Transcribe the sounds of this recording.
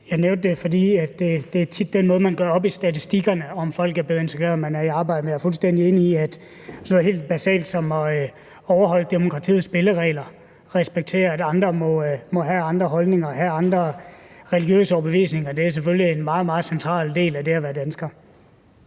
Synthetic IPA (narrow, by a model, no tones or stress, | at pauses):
jɑ̈ɪneʊnd̥ːefɒ̽dḭːæd̥e̝d̥e̝æɐt͡sʰid̥ːenmɔ̽ːð̞̩ˠmænɡ̥ɶɐɒ̽b̥isd̥æt͡sʰisd̥iɡ̥ɐnəɒ̽mfɒ̽l̰ɡ̥æɐb̥le̝ːð̩ˠe̝nt͡sʰeɡ̥ʁḛːɐð̩ˠmænæɐiɑ̈ːb̥ɑ̈ɪdəmenjɑɐfulsd̥endie̝ːniiæd̥ | snoð̩ˠhe̝ːld̥̚b̥æsɛ̰ːld̥sɒ̽mɒ̽ | ɒʊɐɦɒ̽l̰d̥e̝mo̝kʰʁɑ̈t͡sʰḭːð̩ˠsb̥e̝ləʁɛ̰ːlɐ | ʁɛsb̥eɡ̥̚t͡sʰe̝̰ːɐædɑ̈nd̥ʁɐmɒ̽mɒ̽ɦæɑ̈nd̥ʁɐɦɒ̽lne̝ŋɐɦæɑ̈nd̥ʁɐʁɛliɡ̥jø̰ːsəɒʊb̥e̝ʋḭːsne̝ŋɐd̥e̝æɐs̬eføljienmɑ̈ːð̞̩ˠmɑ̈ːð̩ˠsent͡sʰʁɑ̰̈ːld̥e̝̰ːlæd̥e̝æʋæɐd̥ænsɡ̥ɐ